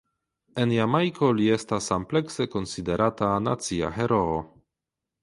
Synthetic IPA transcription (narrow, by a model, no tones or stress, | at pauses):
e̞njamajkʰo̞lie̞stasample̞kse̞ko̞nside̞ɾatana̰t͡sia̰ɦe̞ɾo̞ː